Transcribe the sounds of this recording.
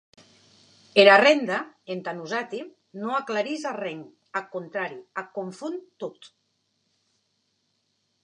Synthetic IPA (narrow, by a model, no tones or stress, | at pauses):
eɾarend̪aent̪anuzat̪i | noaklaɾizareŋ | akont̪ɾaɾiakoɱfunt̪ot̪